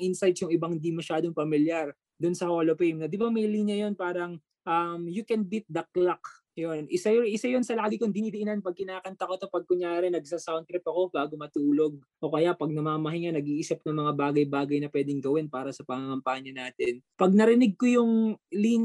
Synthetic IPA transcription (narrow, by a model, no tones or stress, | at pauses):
ŋʔɪnsajt̪jʊŋɪbɐŋhɪnd̪imɐʃaːd̪oŋpɐmɪljaɾ | d̪ʊnsɐhoːlopejmnɐd̪ɪbamɐjliːnjɐjo̞npaːɾɐŋ | ʔɐmjʊkɛnbit̪̚d̪ɐk̚lak | jonʔɪsajʔɪsajonsɐlaːɡɪkond̪inid̪ɪʔɪnanpɐɡ̚kɪnaːkɐnt̪ɐko̞t̪opɐɡ̚kʊŋjaːɾɛnɐɡ̚sasant̪ɾɪpɐko̞baːɡomɐt̪uːlo̞ɡ̚ | ʔo̞ːkɐjaʔpɐɡ̚nɐmaːmɐɦajŋɐnɐɡiːʔiːsɪp̚nɐŋmɐŋabaːɡɐjbaːɡɐjnɐpwɛːd̪ɛŋɡɐwɛnpaːɾɐsɐpɐŋaŋɐmpaːɲɐnaːt̪ɛnpɐɡ̚nɐɾɪnɪɡ̚kojʊŋliːn